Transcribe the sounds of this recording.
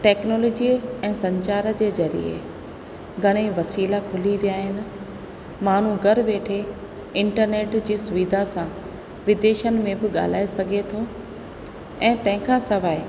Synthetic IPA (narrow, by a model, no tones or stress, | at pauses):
ʈeːknoːloːd͡ʑiːɛ̃ːsɐ̃ɲt͡ɕaːɾə̆d͡ʑeːzɐɾḭḛ | ɡʱɐɽ̃eʋɐsiːlakʰʊliʋijaːɦɪnɪ̆ | maːn̤ũɡɐɾʋeːʈʰe | ɪ̃ɳʈəɾneːʈd͡ʑiːsʊʋid̪ʱasã | ʋɪd̪eːʃənɪ̆mẽbɪɠa̰ːl̤aːesɐɡʱet̪ʰo | ɛ̃ːt̪ɐ̃ɦɪ̃kʰãsɐʋaːe